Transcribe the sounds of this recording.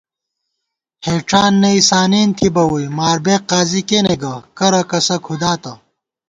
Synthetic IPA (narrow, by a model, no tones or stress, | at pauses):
heːʈ͡ʂaːnːɐisaːniːnt̪ʰibɐwujmaːɾbeːqːaːzikeneɡɐkɐɾɐkɐsɐkʰud̪aːt̪ɐ